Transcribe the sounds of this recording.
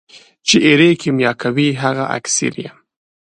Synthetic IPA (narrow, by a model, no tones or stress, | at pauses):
t͡ʃeʔeɾekimjɑkʰawiɦaɣaʔa̰ksḭɾjem